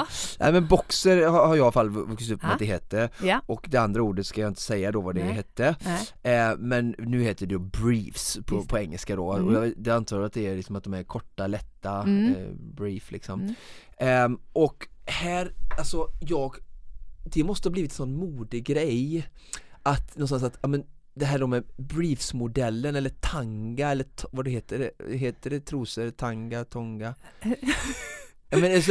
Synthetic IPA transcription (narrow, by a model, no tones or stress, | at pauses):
nʔæ̰ɪmɛnbɔksəɾhahaɾjɑafalːvɵksɪt̪ɵpːmɛt̪d̪ɛɦɛt̪ːəɔkd̪ɛand̪ɾauːɖət̪skajɑɪnt̪əsɛjːad̪ɔvad̪ɛɦɛt̪ːə | mɛnːʉ̟ːheːt̪əɖɛd̪ɔbɾiːfspʰɔpʰɔɛŋːəlskad̪oɔjɑd̪ɛant̪ʰɑːɾat̪̚d̪ɛælɪksɔmat̪̚d̪ɔmæɾkʰɔʈːalɛt̪ːa | bɾiːflɪksɔm | ʔɔkhæːɾalsɔjɑːɡ | d̪ɛmɔst̪əhɑb̪iːvɪt̪ɛnsɔnːmuːd̪ɪɡɾɛj | ʔat̪nɔnst̪ansat̪jɑːmɛn | d̪ɛɦæːɖoːmɛbɾiːfsmʊd̪ɛlːənɛlːəʈʰaŋɡaɛlːəvadɛheːt̪əɖɛɦeːt̪əɖɛt̪ʰɾuːsət̪ʰaŋɡat̪ʰɔŋɡa | jɑːmɛns